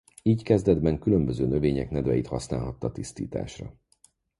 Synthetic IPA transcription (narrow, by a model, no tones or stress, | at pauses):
iːckɛzd̪ɛd̪bɛŋkylømbøzøːnøveːɲɛknɛd̪vɛjit̪hɒsnaːlɦɒt̪ːɒt̪ist̪ḭːt̪a̰ːʃrɒ̰